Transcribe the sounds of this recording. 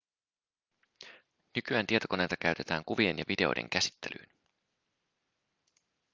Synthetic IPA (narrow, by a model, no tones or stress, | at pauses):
nykyæːnt̪iet̪o̞ko̞nejt̪ɑkæɥt̪e̞t̪æːŋkuʋie̞njɑʋide̞o̞̰jdḛŋk̟æsi̥t̪ːelʔy̰ːn